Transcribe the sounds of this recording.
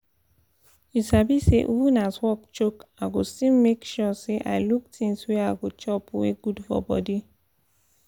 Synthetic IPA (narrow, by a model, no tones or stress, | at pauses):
isabiseʔubunaswɔkt͡ʃokaɡosĩmmːekʃɔseʔa̰ɪluk̚tĩnsweaɡot͡ʃɔpuweɡudfɔ̰bɔ̰di